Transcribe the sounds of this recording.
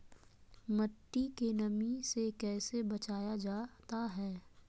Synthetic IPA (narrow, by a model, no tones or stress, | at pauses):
mɐʈːikenɐmisekɛːsebɐt͡ʃaːjad͡ʒaːt̪aɦɛː